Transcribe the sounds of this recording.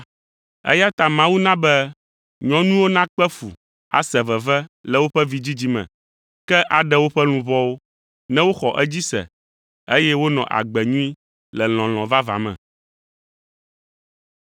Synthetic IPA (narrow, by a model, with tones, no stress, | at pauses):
ɛ̰˦ja˦t̪a˨mã˦wu˦nã˦bɛ˦ | ɲɔ̃˦nũ˦wo˦nã˦k͡pɛ˦fu˨ | a̰˨sɛ˨vɛ˨vɛ˦lɛ˨wo˦ɸɛ˦vi˦d͡ʑi˦d͡ʑi˦mɛ̰̃˨ | kɛ˦ʔa˨ɖɛ˦wo˦ɸɛ˦l̃ũ˨vɔ˦wo˦ | nɛ̃˦wo˦xɔ˨ʔɛ˦d͡ʑi˦sɛ̰˨ | e˦jɛ˦wo˦nɔ̰̃˨ʔa̰˨ɡ͡bɛ˨ɲũ˦i˦ | lɛ˨l̃ɔ̃˨l̃ɔ̃˨va˦va̰˨mɛ̰̃˨